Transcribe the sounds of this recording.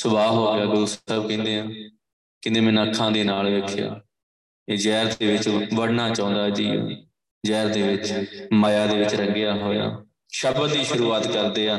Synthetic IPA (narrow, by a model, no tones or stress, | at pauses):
sʊbaːɦoːɡɪjaːɡʊɾusəbkɛ̃ːnd̪eːɦãː | kɪnd̪ẽːmɛ̃ːnaːkʰːãːd̪eːnaːlʋeːkʰja̰ː | eːd͡ʒɛːɾd̪eːʋɪt͡ʃʋəɽnaːt͡ʃãːnd̪aːd͡ʒiːã̰ː | d͡ʒɛːɾd̪eːʋɪt͡ʃmaːjaːd̪eːʋɪt͡ʃɾəŋɡɪjaːɦoːja̰ː | ʃəbəd̪iːʃʊɾuːaːt̪kəɾd̪eːaː